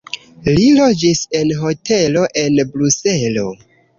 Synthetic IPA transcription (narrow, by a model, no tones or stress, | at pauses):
lilo̞d͡ʒise̞nɦo̞tʰelo̞ʔe̞nbɾuselo̞̰